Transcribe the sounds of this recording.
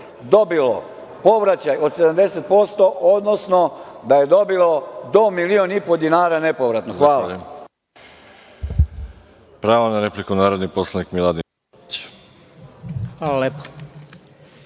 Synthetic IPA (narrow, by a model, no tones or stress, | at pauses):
d̪o̞bilo̰ | po̞ʋɾat͡ɕajo̞d̪se̞d̪amd̪e̞se̞t̪̚po̞st̪o̞ʔod̪nosno̞d̪aje̞d̪o̞bilo̞d̪omilio̞nipod̪inaːɾane̞po̞ʋɾat̪noxʋaːla̰ | pɾaːʋanaɾe̞plikunaːɾod̪niposlˠanikmilˠad̪i | t͡ɕ | xʋalalepo̥